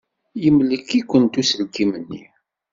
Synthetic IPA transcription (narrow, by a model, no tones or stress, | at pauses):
jəmləkːikʷːənt̪usəlkimənːḭ